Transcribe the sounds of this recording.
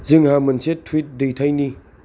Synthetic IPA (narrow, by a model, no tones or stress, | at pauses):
ziŋhamɐnsetʰːwit̚dejtʰajni